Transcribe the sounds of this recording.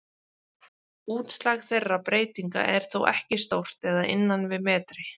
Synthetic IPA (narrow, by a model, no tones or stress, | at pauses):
uːt̪slaɣθejrːapɾeːjt̪iŋka̰ʔɛɾ̥θowʔɛhcɪst̪owr̥t̪ɛðaʔɪ̰nːanvɪðmɛːt̪ɾɪ